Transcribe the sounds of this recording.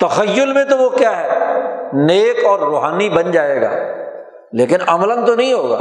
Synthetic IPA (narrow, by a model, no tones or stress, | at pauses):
t̪ɐxəjːʊlmẽt̪oʋokjaːɦɛːneːkɔːɾːoːɦaːnibɐnd͡ʒaːeːɡa̰ː | leːkɪnɐmlə̃nt̪onɐɦĩɦoːɡa̰ː